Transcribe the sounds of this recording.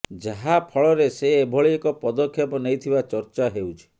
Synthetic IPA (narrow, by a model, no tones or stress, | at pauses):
d͡ʒaɦapʰɔɭɔɾeseːbʱɔɭiekɔpɔd̪ɔkʰːjɔpɔnejt̪ʰibat͡ʃɔɾt͡ʃaɦewt͡ʃʰi̥